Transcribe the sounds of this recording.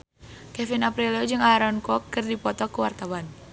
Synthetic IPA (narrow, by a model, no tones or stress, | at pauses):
kɛfinapɾilod͡ʒɨŋaɾɔnkɔkːərdipɔt̪ɔkuwart̪awan